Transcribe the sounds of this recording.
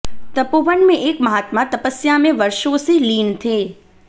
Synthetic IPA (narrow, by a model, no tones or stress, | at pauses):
t̪əpoʋəɳmẽʔekməɦaːt̪mãt̪əpəsjamẽʋəɾʃoːsiliːnt̪ʰe